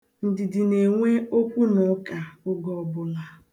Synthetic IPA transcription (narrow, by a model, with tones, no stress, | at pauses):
n̩˨dɪ˨dɪ˨ne˨ŋʷe˦o˦kʷu˦nʊ˨˦ka˨ʊ˦ɡɔ˦˨bʊ˦la˦